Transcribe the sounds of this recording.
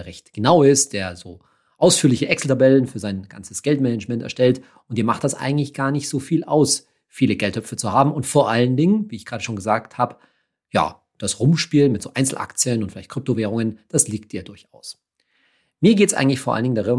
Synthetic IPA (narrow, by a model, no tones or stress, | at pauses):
ʁɛçtɡ̥ənaʊɪst̚d̥eːɐzoː | ʔaʊsfyːɐlɪçəʔɛksl̩tʰabɛlənfyːɐzaɪnɡ̥a̰nt͡sə̥sɡ̥ɛltmɛnəd͡ʒmɛntɛɐʃtɛlt | ʔʊntiːɐmaχt̚d̥asʔa̰ɪɡŋ̩tlɪçɡ̥aːɐnɪçtz̥oːfiːlʔa̰ʊs | fiːləɡɛltʰœp͡fət͡suhaːbm̩ʊntfoːɐʔaləndɪŋənviːɪçɡ̥ʁaːɾəʃoːnɡəzaːk̚thaːbə | ja̰ː | d̥asʁʊmʃpiːlmɪtz̥oːʔaɪnt͡sl̩ʔa̰kt͡sjənʊntfɪlaɪçt̚kʁ̥ʏp̚toveːʁ̞ʊŋənd̥asliːk̚t̚iːɐdʊɐçʔa̰ʊs | miːɐɡeːtəsʔa̰ɪɡŋ̩tlɪçfoɐʔa̰ləndɪŋndaʁɪn